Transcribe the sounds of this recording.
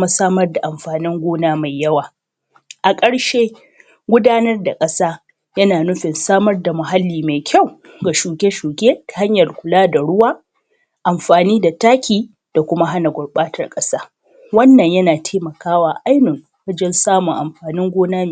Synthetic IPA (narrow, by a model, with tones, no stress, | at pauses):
ma˦saː˦mɐ˦rda˨ʔa˨mɸaː˨nɪ˦ŋɡʷoː˦naː˦ma˨jjːɐ˦waː˨ | ʔa˨kʼɐ˦ɽʃeː˦ | ɡʷʊ˦daː˦nɐ˦rda˨kʼɐ˦saː˦ | jɐ˦naː˨nʊ˦ɸɪ˨nsaː˦mɐ˦rda˨mʊ˨ɦa˦lːiː˨ma˨jkʲʰa˦˨w | ɡa˨ʃuː˨ɡʲe˦ʃuː˨ɡʲeː˦tḁ˨ha˦ɲjɐ˨rkʷʊ˨laː˦da˨ɽʊ˦waː˦ | ʔa˨mɸaː˨niː˦da˨taː˦kʲiː˨ | d̥a˨kʷʊ˦ma˦ɦa˦na˨ɡʷʊ˨ɽɓaː˦tɐ̰˨rkʼɐ˦saː˦ | wɐ˦nːɐ˨ɲjɐ˦naː˨tʰeː˦mɐ˨kaː˦waː˨ʔa˦jnɪ˨ŋ | wɐ˦d͡ʒɛ˦nsaː˦mʊ˨ŋʔa̰˨mɸaː˨nɪ˦ŋɡʷoː˦naː˦˨